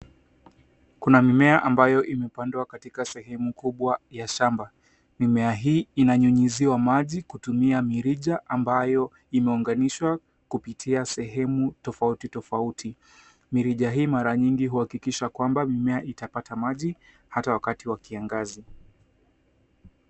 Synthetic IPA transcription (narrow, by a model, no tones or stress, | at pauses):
kunamimɛaʔambajɔʔimɛpandwakatikasɛɦɛmukuɓwajaʃamba | mimɛaɦiːinaɲuɲiziwamaʄikutumiamiɾiʄaʔambajɔ | imɛuŋɡaniʃwa | kupitʰiasɛɦɛmutɔfautitɔfautʰi | miɾiʄaɦiːmaɾaɲiŋɡiɦuhakikiʃakwambamimɛaʔitapatamaʄi | hatawakatiwakiaŋɡazi